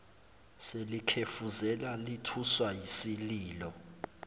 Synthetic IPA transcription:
selikʰefuzɛlalitʰuswajisiliːlɔ

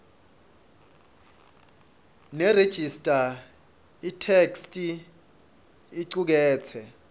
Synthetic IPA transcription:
nɛred̥ʒ̥ʱistʼa | itʰekstʼi | ǀuk̬ɛːt͡sʰɛ

